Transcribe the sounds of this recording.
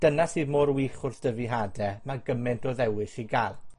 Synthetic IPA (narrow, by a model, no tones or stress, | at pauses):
d̥ənasɨːðmoːɾwiːχʊrθd̥əviɦaːdɛmaɡəmɪntʰɔðɛwɪʃiɡalˠ